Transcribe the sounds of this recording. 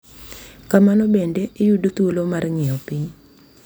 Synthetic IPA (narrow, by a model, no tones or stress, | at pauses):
kamanɔbendeɪjudot̪uolomarŋɪɔpɪɲ